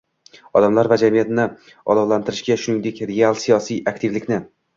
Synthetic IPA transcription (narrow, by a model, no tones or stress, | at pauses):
ɒd̪amlaɾvad͡ʒamijat̪nɪ | ɒ̰lˠɒwlant̪ɪɾɪʃɡʲaʃʊnɪŋd̪e̞kʲɾealˠsijɒsijak̚ʲt̪ʰɪvlɪkʲnɪ